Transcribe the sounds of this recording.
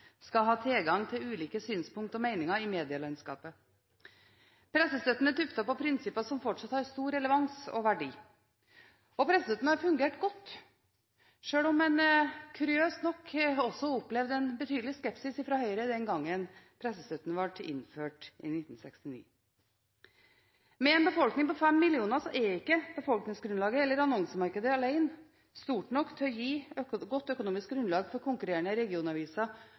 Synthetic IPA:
skɑɦɑːt̪ʰɪlɡɑŋt̪ʰɪlʉːliːkəsyːnspʊŋk̚t̪ɔmeɪnɪŋəɾɪmeːd̪ɪɑlɑɪnskɑ̰ːpə | pʰɾɛsːəst̪œt̪ːənəd̪ʉpt̪ɑpɔpʰɾɪnsɪpːɑsɔmfɔʈʂɑt̪hɑɾst̪uːɾɛləʋɑŋsɔ̰ʋæɖḭː | ɔpʰɾɛsəsœt̪ːnəhɑɾfʉŋɡeːʈɡɔt̪ː | ʂøːlɔmɛnkʰʉɾɪøːsnɔkʰːɔsːɔʊpːlɛʋd̪ɛnbət̪ʰyːd̪l̩ɪskɛpsɪsɪfɾɑːhœʏɾəd̪ɛŋɡɑŋːənpʰɾɛsəsœt̪ːnʋɑʈɪ̰nføːʈɪ̰nɪt̪ːn̩sɛ̰kst̪ɪnḭː | mɛɛnbəfɔlknɪŋpɔfɛmːɪlɪuːnəsɔʔɛɪkːəb̥əfɔlknɪŋsɡɾʉnlɑːɡəɛlːəɾɑnɔŋsəmɑɾkəd̪əɑlæɪn | st̪uːʈɳɔkːt̪ʰœjiːɡɔt̪ːœkʊnuːmɪsk̚ɡɾʉnlɑːɡfɔɾkʰʊŋkʉɾeːɳəɾɛɡɪuːnɑʋiːsɑ

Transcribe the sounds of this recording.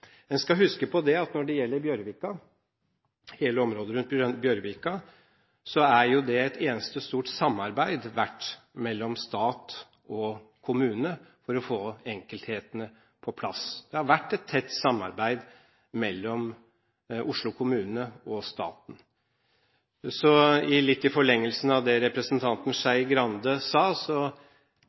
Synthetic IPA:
ɛnskɑɦʉskəpʰɔd̪ɛɑt̪nɔɖɛjɛlːəɾbjœɾʋɪkɑ | heːləɔmɾoːd̪əɾʉnt̪̚bjœɾʋɪkɑ | sɔæɾjʊd̪ɛɛt̪ʰeːnəst̪əɔst̪uːʈsɑmːɑɾbæɪd̪ʋæʈː | mɛlːɔmst̪ɑːt̪ | ɔkʰʊmʉːnəfɔɾɔfoːɛŋkəlt̪heːt̪ənə | pʰɔpʰlɑ̰sd̪̥ɛhɑɾʋæʈːɛt̪ʰːɛt̪ːsɑmːɑ̰ɾbæɪd̪ | mɛlːɔm | ʔʊʂɭʊkʰʊmʉːnəɔst̪ɑ̰ːt̪n | sɔɪlɪt̪ːɪfɔɭɛŋːəlsn̩ɑʋd̪ɛɾɛpɾəsnt̪ʰɑnt̪n̩ʂæɪɡɾɑnd̪əsɑːsɔ

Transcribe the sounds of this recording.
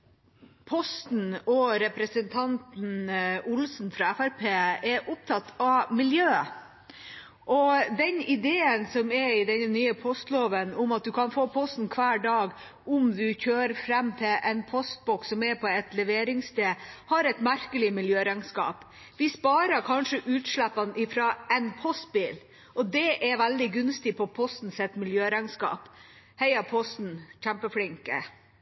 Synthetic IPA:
pʰɔst̪n̩ɔɾɛpɾəsənt̪ʰɑnt̪n̩ʊlsn̩fɾɑæfæɾpʰeːɛɾʔʊp̚t̪ʰɑt̪ʰːɑmɪljøːə | ʔɔd̪ɛɲɪd̪eːənsɔmɛɾɪd̪ɛɲːənyːəpʰɔst̪loːʋənʊmɑt̪̚d̪ʉkʰɑnfoːpʰɔst̪n̩kʰʋæːɖɑːɡ | ʊmd̪ʉçøːɾfɾɛmːt̪ʰɪlʔɛnpʰɔst̪̚bɔksɔmɛɾpʰɔɛt̪lɛʋeːɾɪŋst̪eːhɑɾɛt̪mæɾkəlɪmɪljøːɾɑŋskɑ̰ːp | ʋɪspɑːɾɑkʰɑnʂəʔʉːt̪ʂlæpːɑnʔɪfɾɑːɛnpʰɔst̪̚biːl | ʔɔd̪ɛʔɛɾʋæld̪ɪɡʉnst̪ɪpʰɔpʰɔst̪n̩sɛt̪ːmɪljøːɾɑŋskɑ̰ːp | hɛɪɑpʰɔst̪n̩çæmpəflɪŋkə̰

